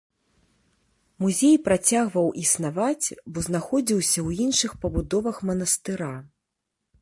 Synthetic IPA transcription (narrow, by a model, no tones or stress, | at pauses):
muzʲejpɾat͡sʲaɣvɐwʔisnavat͡sʲbɔznaxɔd͡zʲiwsʲɐwinʂɨxpɐbud̪ɔvɐxmɐnɐst̪ɨɾa